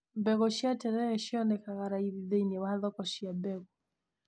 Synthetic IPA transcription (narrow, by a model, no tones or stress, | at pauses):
mbɛɣɔʃiatɛɾɛjɛʃiɔnɛkaɣaɾaiβiðɛinɛwaðɔkɔʃiabɛɣɔ